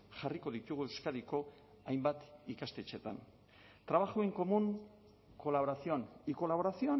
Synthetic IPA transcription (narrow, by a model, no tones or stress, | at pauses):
ʝariko̞ðit̪uɣue̞wskaðiko̞ | ajmbat̪ikast̪e̞t͡ʃe̞t̪a̰n | t̪ɾaβaxueŋko̞muŋ | ko̞laβoɾasio̞niko̞laβo̞ɾasioa